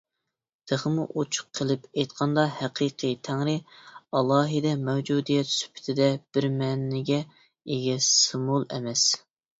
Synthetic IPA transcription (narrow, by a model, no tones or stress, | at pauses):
d̪̥eʁəmuʔot͡ʃʰʊ̥qʰːəlˠɪpʰɛjt̪qʰɑnd̪ɑhæqʰiqʰit̪ʰæŋɾɪɑlˠɑːɦɨd̪ɛmɛwd͡ʒud̪ijɛt̪sy̥pʰɪ̥t̪ʰɪd̪ɛb̥ɪɾmɛnːɪɡʲɛ | eɡʲɛsɨmulˠɛ̰mɛs